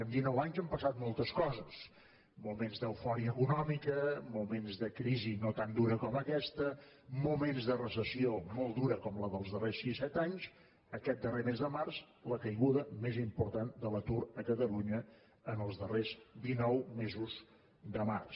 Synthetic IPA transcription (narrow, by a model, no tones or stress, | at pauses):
ənd̪inɔwaɲzəmpəsat̪̚mɔlˠt̪əskɔzəs | mumenzd̪əwfɔɾiəːkunɔmikəmumenzðəkɾizinot̪and̪uɾəkɔməkɛst̪ə | mumenzðərəsəsiomɔlˠd̪uɾəkɔmləðəlˠzðəresisɛt̪aɲz | əkɛt̪̚d̪əremezðəmarz | ləkəjɣuðəmezimpuɾt̪and̪ələt̪uɾəkət̪əluɲə | ənəlˠzðərezd̪inɔwmezuz | d̪əma̰rs